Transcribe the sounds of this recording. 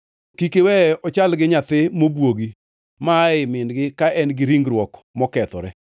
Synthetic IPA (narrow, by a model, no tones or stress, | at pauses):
kikewɛɔt͡ʃalɡɪɲat̪ɪmobwoɡi | maɪmɪnɡɪkaʔɛnɡɪɾiŋɡɾwɔkmɔkɛt̪ɔɾɛ